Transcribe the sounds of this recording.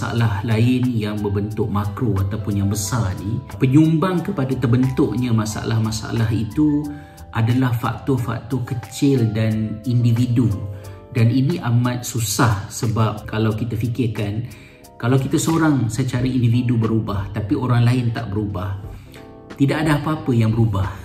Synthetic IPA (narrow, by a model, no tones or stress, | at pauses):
sa̰a̰lahlaɪnjaŋbərbənt̪ʊʔ̚makɾoat̪awpʊnjaŋbəsarnipəɲumbaŋkəpadat̪ərbənt̪ʊʔɲamasa̰a̰lahmasaa̰laɦit̪u | ʔadalahfa̰k̚t̪ɔfa̰k̚t̪ɔkət͡ʃɪldanindividu | daniniʔamat̪̚susahsəbap̚kalawkit̪afikɪrkan | kalawkit̪asoɾaŋsət͡ʃaɾaindividubəɾubaht̪apioɾaŋlaɪnt̪a̰ʔbəɾubah | t̪idaʔadaapaapəjaŋbəɾubah